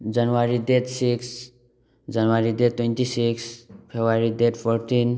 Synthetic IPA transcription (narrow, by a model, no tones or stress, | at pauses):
d͡ʒənʋaɾid̪et̪siks | d͡ʒənʋaɾid̪et̪̚t̪ːwẽnt̪isikspʰebaɾid̪et̪pʰoɾt̪in